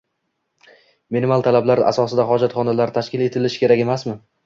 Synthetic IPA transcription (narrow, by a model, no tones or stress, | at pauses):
menmalˠt̪ʰalablaɾa̰sɒsɪd̪aɦɒd͡ʒat̪χɒnalaɾt̪ʰaʃkʲɪle̞t̪ʰɪlɪʃɪ̥kʲʰe̞ɾakʲe̞masmɪ